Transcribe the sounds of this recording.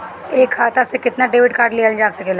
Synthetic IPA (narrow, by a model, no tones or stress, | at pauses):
eːkʰːaːt̪asekɪt̪naɖeːʋɪɖkaːɾɖleːənd͡ʒaːsɐkeːla